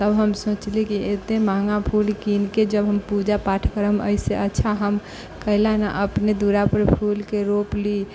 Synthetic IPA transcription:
t̪əbɦəmsõt͡ʃlikiet̪emaŋɡapʰulkinked͡ʒəbɦəmpud͡ʒapaʈʰkəɾəmə̰ɪseətːʃʰaɦəm | kəɦɪlana̰ʔəpned̪uɾapəɾpʰulkeɾopli

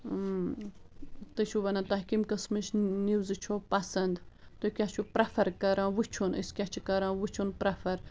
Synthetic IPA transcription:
t̪ɨt͡ʃʰuʋɐnat̪ɐɦkimkɐsmɨt͡ʃniwzɨt͡ʃʰoːpɐsɐnd̪t̪okʲat͡ʃʰupɾɐfʰɐɾkɐɾãːwɨt͡ʃʰunḭskʲat͡ʃʰikɐɾãːwɨt͡ʃʰunpɾɐfɐɾ

